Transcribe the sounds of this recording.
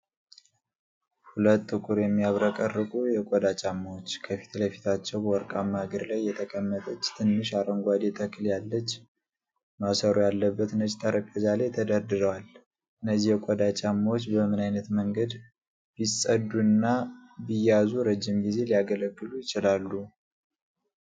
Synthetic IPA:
hulət̪ʼːɨkʼuɾjɛmːiaβɾəkʼərːɨkʼujɛkʷʼɔd̪at͡ʃʼamːawot͡ʃːkʰəfi̥t̪ʰləfi̥t̪ʰat͡ʃːɛwbəwɔɾkʼamːahɡəɾlajːɛt̪ʰəkʼəmːət̪ʰʼət͡ʃːt̪ʰɨnːɨʃaɾəŋɡʷad̪et̪ʰəkʰɨljalːət͡ʃː | masəɾojalːəbːət̪nət͡ʃʼt̪ʰʼaɾəpʼjazalet̪ʰəd̪əɾd̪ɨɾəwal | ʔɨnːəzːihjɛkʷʼɔd̪at͡ʃʼamːawot͡ʃːbəmɨnajnət̪məŋɡəd̪ | b̥isʼəd̪ːuɨnːabijazuɾəd͡ʒːimɡize̞liaɡələɡːɨlujɪt͡ʃɪlalːu

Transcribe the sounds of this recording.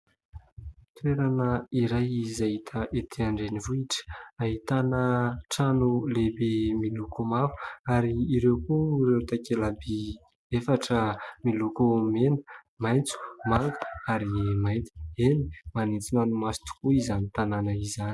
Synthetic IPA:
t̪ueɾanəiɾajizaɦit̪ʰəʔet̪ʰeaɳɖ͡ʐenivuiʈ͡ʂə̥aɦit̪anəʈ͡ʂanulebemilukumavu̥aɾiːɾewkuirewt̪akelabi | efaʈ͡ʂəmilukumenə̥ | majnt͡su̥maŋɡaɾimajnt̪i̥enimanit͡sinanumasi̥t̪u̥kuizanit̪ananaizani̥

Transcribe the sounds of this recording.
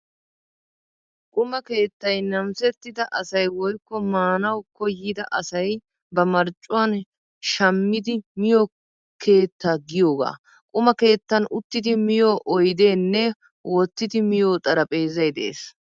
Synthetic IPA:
kʼʊmɐke̞ːt̪ːɐjnɐmsɛt̪ːɪd̪ɐʔɐsɐjwɔjkːɔmaːnɐwkɔjːɪd̪ɐʔɐsɐj | bɐmɐɾt͡ʃʼːʊwan | ʃɐmːɪd̪ɪmɪjo | kʰe̞ːt̪ːaːɡɪjoːɡa̰ː | kʼʊmɐke̞ːt̪ːɐnʊt̪ːɪd̪ɪmɪjoːʔɔjd̪e̞ːnːɛ | wɔt̪ːɪd̪ɪmɪjo̞ːt̪ʼɐɾɐpʼe̞ːzɐjd̪ḛːs

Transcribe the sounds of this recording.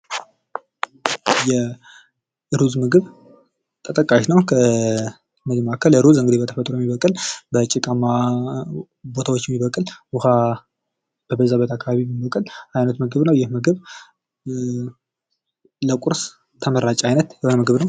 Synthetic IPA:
jɛ | ɨɾuzmɨɡɨβ | t̪ʰət̪ʼəkʼːaʃnəwkʰə | mɨɡmakʰələɾuzɨŋɡɨd̪ibət̪ʰəfət̪ʼːɾojɛmiβəkʼɨlbət͡ʃʼɪkʼama | bo̞t̪ʰawo̞t͡ʃːjɛmːiβəkʼɨlwuha | b̥əbəzaβət̪ʰakʰːaβaβimibəkʼɨlajnət̪mɨɡɨβnəwjɪhmɨɡɨβ | ləkʷʼuɾs | t̪ʰəməɾat͡ʃʼajnət̪jɛhonəmɨɡɨβnəw

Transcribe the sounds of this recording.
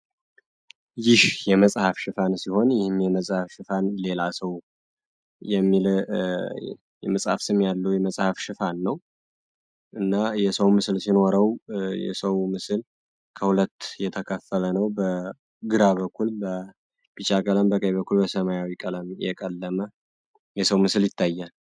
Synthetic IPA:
jɪhjɛməsʼhafʃɨfansiho̞njɪhɨmjɛməsʼhafʃɪfanle̞lasəw | jɛmːil | jɛməsʼha̰fsɨmːjalːəwjɛməsʼhafʃɨfanːəw | ʔɨnːajɛsəwmɨsɨlsinoɾəwjɛ̰səwmɨsɨl | kʰəhulət̪ːjɛt̪ʰəkʰəfːələnəwbə | ɡɨɾaβəkʰːulbə | b̥it͡ʃʼakʼələmbəkʼəjβəkʰːulbəsəmajawikʼələmjɛ̰kʼəlːəmə | jɛsəwmɨsɨljɪt̪ʰːajːal

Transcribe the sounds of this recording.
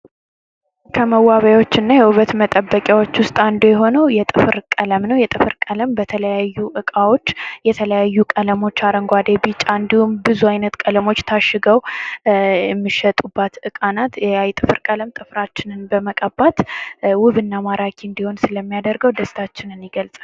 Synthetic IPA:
kʰəməwːaβajwo̞t͡ʃːɪnːajɛuβət̪mət̪ʼəbːəkʼjawo̞t͡ʃːwʊst̪ʼand̪ojɛɦo̞nəwjɛt̪ʼɨfɨɾkʼələmnəwjɛt̪ʼɨfɨɾkʼələmbət̪ʰələjajːuʔɨkʼawo̞t͡ʃːjɛt̪ʰələjajːukʼələmo̞t͡ʃːaɾəŋɡʷad̪ebit͡ʃʼand̪ihumbɨzuajnət̪kʼələmo̞t͡ʃːt̪ʰaʃɪɡəw | ɛmːɨʃət̪ʼubːat̪ɨkʼanat̪ajt̪ʼɨfɨɾkʼələmt̪ʼɨfɾat͡ʃːɪnɨnbəməkʼəbːat̪wʊβɨnːamaɾakʰiɨnd̪iho̞nsɨləmːijad̪əɾɡəwd̪əst̪ʰat͡ʃːɪnɨnɪɡəlt͡sʼa

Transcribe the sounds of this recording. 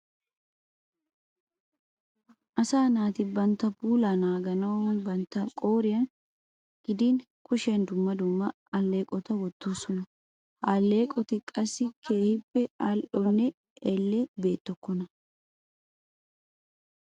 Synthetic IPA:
ʔɐsaːnaːt̪ɪbɐnt̪ːɐbuːlanaːɡɐnɐwnbɐnt̪ːɐkʼo̞ːɾɪjɐn | ɡ̥ɪd̪iːn | kʊʃɐnd̪ʊmːɐd̪ʊmːɐ | ɐlːe̞ːkʼɔt̪ɐwɔt̪ːoːsɔnɐ | alːeːkʼɔt̪ɪkʼɐsːɪkʰeːhɪbːɛɐlʔɔnːɛ | ɛlːɛbe̞ːt̪ːɔkːɔnɐ

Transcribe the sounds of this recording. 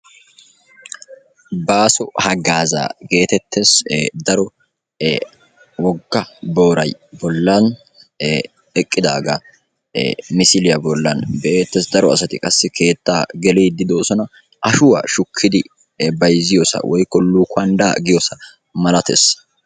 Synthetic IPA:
baːsɔhɐɡaːza̰ːɡe̞ːt̪ɛt̪ʰːesd̪ɐɾɔ | wɔɡːɐbo̞ːɾɐjbɔlːɐn | ɛkʼːɪd̪aːɡa | mɪsɪlɪjɐbɔlːɐnbɛʔeːt̪ːeːsd̪ɐɾɔɐsɐt̪ɪkʼɐsːɪkʰe̞ːt̪ːaːɡɛleːd̪ɪd̪o̞ːsɔnɐ | ʔɐʃʊwa̰ːʃʊkʰːɪd̪ɪ | bɐjzɪjosɐ̰wʔɔjkːɔlːuːkʊɐnd̪aːɡɪjosɐ | mɐlɐt̪ḛs

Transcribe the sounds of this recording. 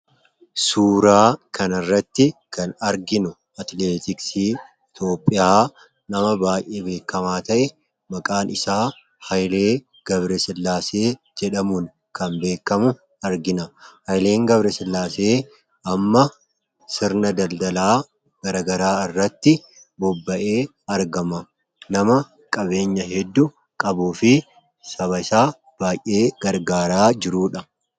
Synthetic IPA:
suːɾaːkʰɐnɪrːɐt̪ːɪkʰɐnɐɾɡɪnʊ | ɐt̪leːt̪ɪksiː | t̪o̞ːpʼːɪjaː | nɐmɐbaːjʔeːbe̞ːkːɐmaːt̪ɐʔɛ | mɐkʼaːnɪsaː | hɐjle̞ː | ɡ̥ɐbɾɛsɪlːaːseː | d͡ʒɛᶑɐmuːn | kɐmbe̞ːkːɐmʊ | ɐɾɡɪnɐhɐjle̞ːŋɡɐbɾɛsɪlːaːseː | ʔɐmːɐ | sɪɾnɐd̪ɐld̪ɐlaː | ɡ̥ɐɾɐɡɐɾaːɪrːɐt̪ːɪ | bɔbːɐʔeː | ɐɾɡɐmɐ | nɐmɐ | kʼɐbe̞ːɲːɐɦɛd̪ːʊ | kʼɐbuːfɪ | sɐβɐɪsaː | b̥aːjʔeːɡ̥ɐɾɡaːɾaːd͡ʒɪɾuːᶑɐ

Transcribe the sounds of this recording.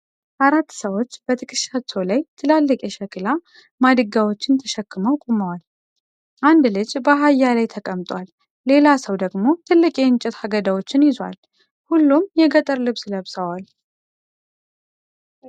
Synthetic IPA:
ʔaɾat̪ːsəwo̞t͡ʃːb̥ət̪ʰɨkʼɨʃːat͡ʃʰːowlajt̪ʰɨlalːəkʼɛʃɛkɨla | mad̪ɨɡawot͡ʃːɪnt̪ʰəʃəkːɨməwkʼuməwal | ʔand̪lɨd͡ʒbəɦajːalajt̪ʰəkʼəmt̪ʼwalː | e̞lasəwd̪əɡmo̞t̪ʰɨlːɨkʼeɨnt͡ʃʼɛt̪haɡəd̪awot͡ʃːɪnjɪzwa̰l | hulːumjɛɡət̪ʼəɾlɨβsləβsəwal

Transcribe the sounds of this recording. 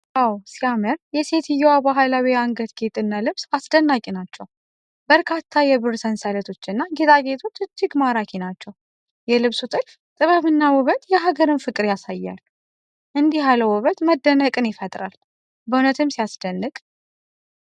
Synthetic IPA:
ʔawsiamɨɾjɛse̞t̪ɨjːɛwabaɦalawiaŋɡət̪ɡe̞t̪ʼɨnːalɨβsasd̪ənːakʼinat͡ʃːɛw | bəɾkʰat̪ʰːajɛβɨrsənsalət̪ʰo̞t͡ʃːɨnːaɡe̞t̪ʰʼaɡe̞t̪ʰo̞t͡ʃːɨt͡ʃːiɡmaɾakʰinat͡ʃːɛw | jɛlɨβsut̪ʼɨlf | t̪ʼɨβəβɨnːawɔβət̪jɛɦaɡəɾɨnfɨkʼɨɾjasajːa̰l | ʔɨnd̪iɦaləwɔβət̪məd̪ːənəkʼɨnjɪfət̪ʼɾa̰l | bəunət̪ʰɨmsijasd̪̥ənːɨkʼ

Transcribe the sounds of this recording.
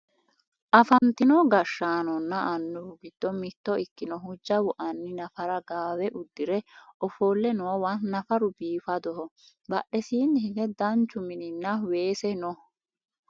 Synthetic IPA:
ʔɐfɐnt̪ɪnɔɡɐʃːaːnɔnːɐʔɐnːʊwʊɡɪd̪̥ːɔmɪt̪ːɔɪkːɪnɔɦʊd͡ʒːɐwʊʔɐnːɪnɐfɐɾɐɡaːwɛʔʊd̪ːɪɾɛʔɔfoːlːɛnɔwwɐnnɐfɐɾʊbiːfɐd̪ɔhɔ | bɐʔɛsiːnːɪhɪɡɛd̪ɐnt͡ʃːʊmɪnɪnːɐweːsɛnɔ

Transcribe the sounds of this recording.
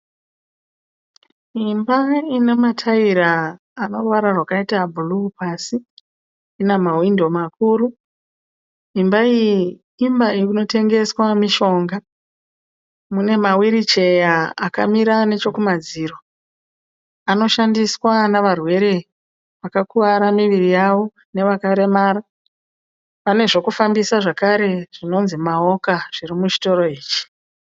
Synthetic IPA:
imbainematʰaiɾaː | no̞rwaɾarwakaitabʱulupasiː | nemawindo̞makuːɾu | imbai | imbaiino̞te̞ŋɡe̞swamiʃo̞ŋɡa | mune̞mawiɾit͡ʃe̞jaːka̰miɾane̞t͡ʃo̞kumad͡ziːɾo̞ | ano̞ʃandiswanaʋarwe̞ɾe̞ | ʋakakuʋaɾamiʋirijaʋo̞ | ne̞ʋakaɾe̞maːɾa | pane̞ʐo̞kufambisaʐakaɾe̞ʐ̥ino̞nzimaokaʐ̥irimut͡ʃi̥to̞ɾo̞iːt͡ʃi̥

